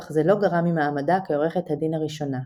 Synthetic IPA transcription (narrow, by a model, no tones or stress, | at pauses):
χzelo̞ɡaʁamimaːmadakeoʁe̞χet̪hadinhaʁiʃo̞na